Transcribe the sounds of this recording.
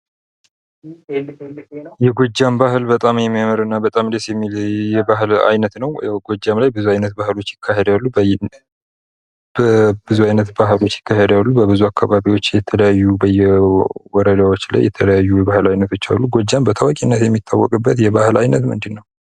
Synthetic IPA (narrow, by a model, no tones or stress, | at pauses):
jɛɡo̞d͡ʒːambahlbət̪ʼamjɛmːijaməɾɨnːabət̪ʼamd̪esjɛmːiljɛbaɦla̰jnət̪nəwɡod͡ʒːamlajbɨzuajnət̪bahɨlo̞t͡ʃːjɪkʰːahed̪jalːu | bəbɨzuajnət̪baɦɨlo̞t͡ʃːjɪkʰːahed̪alːubəbɨzuakʰːaβaβiwo̞t͡ʃːjɛt̪ʰələjajːubəjɛwɔɾəd̪awo̞t͡ʃːla̰jɛt̪ʰələjajːujɛβahɨlajnət̪ʰot͡ʃːa̰lːuɡo̞d͡ʒːambət̪ʰawakʼinːət̪jɛmːit̪ʰːawːɔkʼɨbːət̪jɛβahɨla̰jnət̪mɨ̰nd̪ɨnːəw